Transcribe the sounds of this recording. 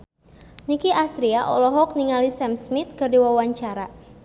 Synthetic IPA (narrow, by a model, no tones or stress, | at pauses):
nikiʔast̪ɾiaʔɔ̰lɔɦɔk̚niŋalisɛmsmit̪̚kɨrdiwawaɲt͡ʃaɾa